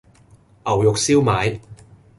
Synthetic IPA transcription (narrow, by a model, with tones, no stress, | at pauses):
ʔɐ˨˩wjʊ˨k̚siː˥wmaː˨˥j